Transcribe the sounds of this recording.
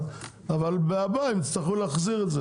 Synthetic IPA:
t | avalbeabaimit͡st̪aχulaχziʁɛtzɛ

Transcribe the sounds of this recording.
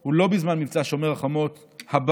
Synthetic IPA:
hulo̞bizmanmivt͡saʃomeʁaχamo̞t̪ | hab

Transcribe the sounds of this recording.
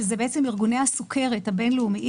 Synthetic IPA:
ezebeet͡semiʁɡunehasukʰe̞ʁethabenleumiʔ

